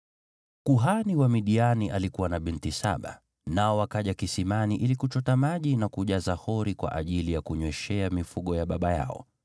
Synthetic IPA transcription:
kuɦaniwamiɗianiʔalikuwanaɓintisa̰ɓa̰ | naɔwakaʄakisimaniʔilikut͡ʃɔtamaʄinakuʄazahɔɾikwa̰ʔaʄilijakuɲwɛʃɛamifuɠɔjaɓaɓaja̰ɔ̰

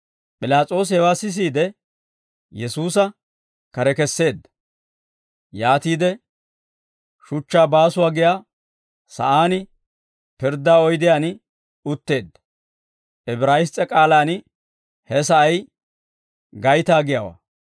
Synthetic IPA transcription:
pʼɪlaːt͡sʼo̞ːs̬ɛwaːsɪs̬iːd̪ɛ | jɛsuːsɐ | kɐɾɛkɛsːe̞ːd̪ːɐ̥ | jaːt̪iːd̪ɛ | ʃʊt͡ʃːaːbaːsʊwaːɡɪjaː | sɐ̰ʔaːnɪ | pɪɾd̪ːaːɔjd̪ɪjaːn | ʊt̪ːe̞ːd̪ːɐ̥ | ʔɛbɾaːjɪst͡sʼːɛkʼaːlaːn | hɛsɐʔɐj | ɡɐjt̪aːɡɪjaːwa̰ː

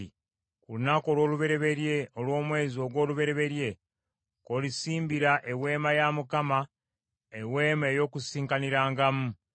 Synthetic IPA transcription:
kulunako̞ːlwo̞ːluβe̞ɾe̞βe̞ɾje̞o̞lwo̞ːmwe̞ːzio̞ːɡwo̞ːluβe̞ɾe̞βe̞ɾje̞ | ko̞lisiːmbiɾaʔe̞we̞ːmajamukama | ewe̞ːmeːjo̞ːkusiːŋkaniɾaːŋɡamu

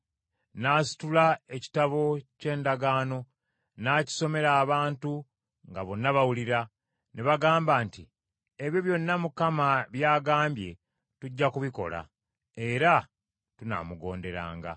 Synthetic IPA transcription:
naːsi̥tulae̞ci̥taβo̞ce̞ːndaɡaːno̞ | naːci̥so̞me̞ɾaːβaːntu | ŋɡaβo̞nːaβawuliɾa | neβaɡaːmbaːnti | e̞βjoβjo̞nːamukamaβjaːɡaːmbje̞̰ | tuɟːakuβiko̞̰la̰ | e̞ɾa | tuna̰ːmuɡo̞̰ːnde̞ɾa̰ːŋɡa̰

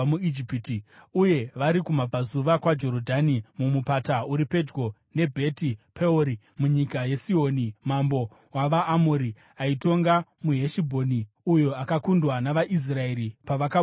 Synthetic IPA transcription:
muid͡ʒipitiuje̞ʋaɾikumab͡vazuʋakwad͡ʒo̞ɾodʱanimumupatauɾipe̞d͡ʒɡo̞ | ne̞bʱe̞tipʰeoɾi | muɲikaje̞sio̞nimambo̞ | waʋaːmoɾi | aito̞ŋɡamuɦe̞ʃibʱo̞ni | ujo̞akakundwanaʋaʔis̬rae̞ɾipaʋaka

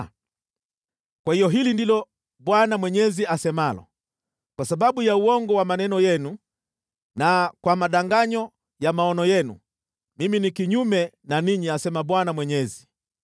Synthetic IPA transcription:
kwahijɔɦilindilɔ | ɓwanamwɛɲɛziasɛmalɔ̰ | kwasaɓaɓujauɔŋɡɔwamanɛnɔjɛnu | nakwamaɗaŋɡaɲɔ | jamaɔnɔjɛnṵ | miminikiɲumɛ | naniɲiasɛmaɓwanamwɛɲɛzi

